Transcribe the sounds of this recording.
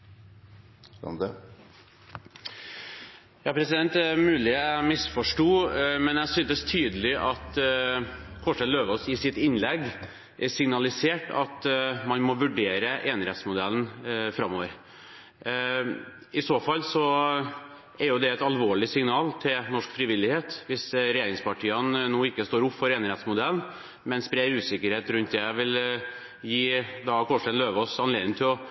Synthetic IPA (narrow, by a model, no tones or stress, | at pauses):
d̪ə | jɑːpʰɾɛsɪd̪ɛnt̪ɛmʉːlɪæmɪsfɔʂʈuːmɛnjæsyːnəst̪ʰyːd̪əlɪʔɑt̪ | kʰɔʂɛløːʋɔsɪsɪt̪ɪnːlɛɡ | ʔɛsɪŋnɑlɪseːʈɑ̰t̪mɑnmɔʋʉɖeːɾəʔeːnɾɛt̪smʊd̪ɛln̩fɾɑmːoːʋəɾ | ɪsoːfɑlːsɔ | ɛɾjʊd̪ɛɛt̪ɑlʋoːɭɪsɪŋnɑːlt̪ʰɪlnɔʂkfɾɪʋɪlːɪheːt̪ʋɪsɾɛjeːɾɪŋspʰɑʈʰiːənnoːɪkːəst̪oːɾʊpːfɔɾeːnɾɛt̪smʊd̪ɛlːn | mɛnspɾeːɾʉːsɪkːəɾheːt̪ɾʉnt̪̚d̪ɛʋɪl | jiːd̪ɑkʰɔʂʈ̪ɛnløːʋɔsɑnleːd̪ɪnt̪ʰɪlɔ